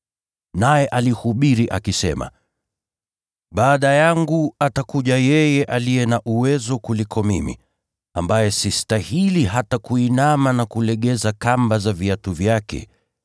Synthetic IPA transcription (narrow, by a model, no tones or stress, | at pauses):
najɛʔalihuɓiɾiʔakisɛ̰ma̰ | ɓaːɗajaŋɡuatakuʄajɛjɛʔalijɛnaʔuwɛzɔkulikʰɔmimḭ | a̰mbajɛsistahiliɦatakuinamanakulɛɠɛzakambazaviatuvjakɛ̰